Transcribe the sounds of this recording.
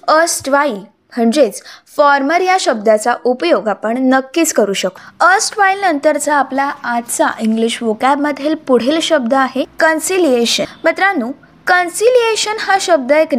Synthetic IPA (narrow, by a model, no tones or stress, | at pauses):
əsʈʋail | m̤əɳd͡zet͡sfɔɾməɾjaɕəb̚d̪at͡saʔupəjoɡapəɳnəkːiːt͡skəɾuːɕəkəsʈʋailnənt̪əɾt͡saːplaat̪t͡sa̰ʔiŋɡliɕʋokabməd̪ʱjelpuɽ̤elɕəb̚d̪əaɦekənsilijeɕənmət̪ɾanuː | kənsilijeɕənhaɕəb̚d̪əek